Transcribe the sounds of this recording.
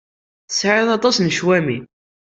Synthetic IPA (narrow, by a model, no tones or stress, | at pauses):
θə̥sʕɪðˤɑt̪ˤɑsnəʃwæmi